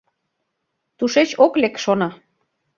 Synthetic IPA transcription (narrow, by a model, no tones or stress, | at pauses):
t̪uʃet͡ɕoklekʃonɑ